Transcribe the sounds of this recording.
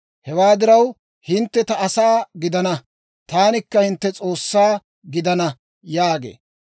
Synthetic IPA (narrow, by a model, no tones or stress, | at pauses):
hɛwaːd̪ɪɾɐw | hɪnt̪ːɛt̪ɐːsaːɡɪd̪ɐnɐ | t̪aːnɪkːɐhɪnt̪ːɛt͡sʼo̞ːsːaː | ɡɪd̪ɐnɐ | jaːɡḛː